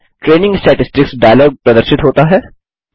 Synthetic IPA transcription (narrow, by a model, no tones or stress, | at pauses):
ʈɾeːnɪ̃ŋɡsʈɛːʈɪsʈɪksɖaːjəlɔːɡ̚pɾɐd̪əɾʃɪt̪ɦoːt̪aɦɛː